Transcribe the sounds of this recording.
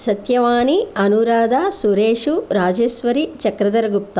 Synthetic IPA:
sɐt̪jɐʋaːniɐnuɾaːd̪ʱaːsuɾeːʂuɾaːd͡ʒɐsʋɐɾit͡ʃɐkɾɐd̪ɐɾɐɡup̚t̪a

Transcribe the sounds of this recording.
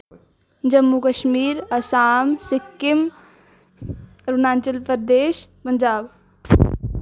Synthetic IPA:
d͡ʒəmːukəʃmiːɾɐsaːmsɪkːɪm | ɾunaːnt͡ʃəlpəd̪eːʃpənd͡ʒaːb

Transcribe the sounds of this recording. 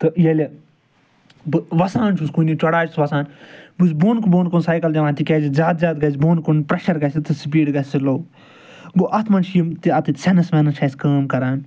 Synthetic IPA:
t̪ɨjɐlʲɐ | bɨʋɐsaːnt͡ʃʰuskunit͡ʃɐɽaːt͡ʃsʋɐsaːnbɨzboːnkuboːnkonsaːjkɐld͡ʒɐʋãːnt̪ikʲeːzizʲaːt̪zʲaːt̪ɡɐzboːnkonpɾɐʃɐɾɡɐsʲit̪ʰɨsipiːɖɡɐsʲsiloː | ɡoʔɐt̪ʰmɐnʃijimt̪iɐt̪it̪sʲɐnɐsmɐnɐt͡ʃʰɐːsʲkaːmkɐɾaːn

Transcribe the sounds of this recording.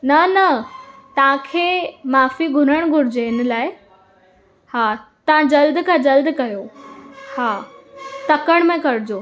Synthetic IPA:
nɐnɐt̪ɐʋ̤ãkʰeːmaːfiɡʱʊɾəɽ̃ɡʱʊɾɪd͡ʑeɪnlaːɪ | haːt̪ɐʋ̤ãd͡ʑɐld̪kʰad͡ʑɐld̪kɐjohaːt̪ɐkəɽ̃mẽkɐɾd͡ʑo

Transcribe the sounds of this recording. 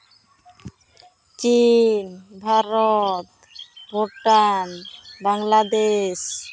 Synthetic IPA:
t͡ʃinbʱaɾɔt̪ | bʱoʈanbaŋlad̪eʃ

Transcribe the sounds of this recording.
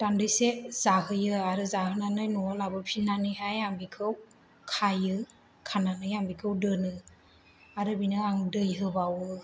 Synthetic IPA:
tandɯjsez̥aɦɯjɯaɾɯzaɦɯnanɯjnɔlabɯpʰinanɯjɦajambikʰɯw | kʰajɯ | kʰananɯjambikʰɯwdɯnɯ | aɾɯbinɯaŋdɯjɦɯbawɯ

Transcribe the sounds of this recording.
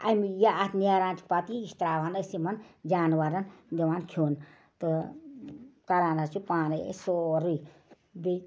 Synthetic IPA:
a̰mjaːt̪njaɾaːnt͡ʃʰi̥pat̪iist̪ɾaːʋaːnəsimɐnd͡ʒaːnʋaɾɐnd̪ɐʋaːnkʰoːn | t̪ɨ | kɐɾaːnat͡ʃʰupaːnḭsoɾi | bi

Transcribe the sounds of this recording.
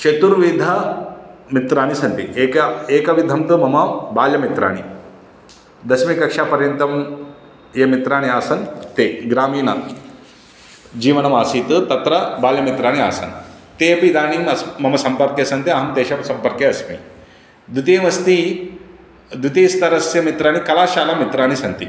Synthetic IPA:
t͡ʃet̪uɾʋid̪ʱɐ | mit̪ɾaːɽ̃isɐnt̪iekeːkɐʋid̪ʱɐmt̪ɨmɐmɐbaːljɐmit̪ɾa̰ːɽ̃i | d̪ɐsmikɐkʂaːpɐɾjɐnt̪ɐm | jemit̪ɾaːniaːsɐnt̪eːɡɾaːmiːnɐ | d͡ʒiːʋɐnɐmaːsiːt̪ɨt̪ɐt̪ɾɐbaːljɐmit̪ɾaːɽ̃ia̰ːsɐ̰n | t̪eːpid̪aːniɐsmɐmɐsɐmpɐɾkjesɐnt̪iɐɦɐmt̪eːʃɐsɐmpɐɾkjeɐsmḭ | d̪ut̪eːmɐst̪i | d̪ut̪eːst̪ɐɾɐsjɐmit̪ɾaːɽ̃ikɐlaːʃaːlɐmːit̪ɾaːñisɐnt̪ḭ

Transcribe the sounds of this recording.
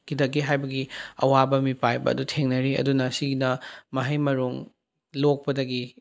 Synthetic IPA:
kidɐɡiɦajbɐɡiɐ̰wabɐmipajbɐ̰ɐ̰dutʰeŋnɐɾiɐ̰dunɐsiɡnɐmɐɦɐjmɐɾuŋ | lok̚pɐdɐɡi

